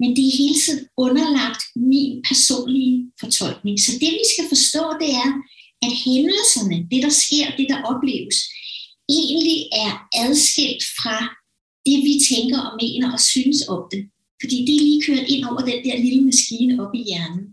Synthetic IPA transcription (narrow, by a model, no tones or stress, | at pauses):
mend̥e̝æɐɦe̝ːlət͡sʰið̰ˠn̩ɔ̽nɐlɑ̈ɡ̥̚d̥minpʰæɐso̝̰ːnlifɒ̽t͡sʰɒ̽l̰ɡ̥ne̝ŋsɒ̽d̥e̝ʋisɡ̥æfɒ̽sd̥ɔ̰̽ːd̥e̝æɐ | æd̥hemləsɐnəd̥e̝d̥ɑ̈sɡ̥e̝ɐ̰d̥e̝d̥ɑ̈ʔɒ̽b̥le̝̰ːʊəs | e̝̰ːnliæɐʔæð̞ˠsɡ̥el̰d̥fʁɑ̈ | d̥e̝ʋit͡sʰeŋɡ̥ɐʔɒ̽me̝̰ːnɐʔɒ̽synəsɒ̽md̥e̝ | fɒ̽d̥ḭːd̥eæɐliːkʰøːɐdˠe̝n̰ɒʊ̰ɐd̥end̥eɐliləmæsɡ̥iːnəɒ̽b̥ijæɐnn̩